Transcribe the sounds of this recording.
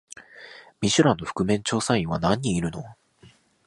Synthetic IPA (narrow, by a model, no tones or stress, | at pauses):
mʲiɕɨɾãnːo̞ɸɯ̥kɯ̟mẽ̞ɲt͡ɕo̞ːsãɰ̃ĩɰ̃βanãɲ̟ːiːɾɯ̟no̞